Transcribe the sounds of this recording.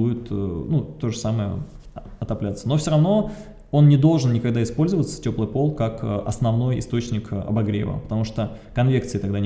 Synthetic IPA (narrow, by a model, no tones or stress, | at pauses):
ujɪt̪nut̪o̞ʐəsaməjə̰ɐt̪ɐplʲat̪sənofsʲoɾɐvno̞ | o̞nnʲɪd̪o̞lˠʐɨnnʲɪkɐɡd̪aɪspo̞lʲzəvət̪sə̥tʲo̞plˠɨjpo̞lˠkakəʔɐ̰snɐvno̞jɪ̰st̪o̞t͡ɕnʲɪkɐ̰bɐɡɾʲḛvə̰pə̥t̪ɐmuʂt̪okɐnvʲe̞kt̪sɨɪt̪ɐɡd̪anʲ